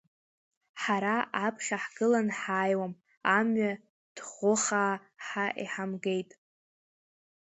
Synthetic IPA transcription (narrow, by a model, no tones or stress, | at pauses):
ħaɾaapʰχʲaħɡɨlanħaːjwam | amɥa | d̥χʷʊχaːħaʔiħamɡe̞jtʼ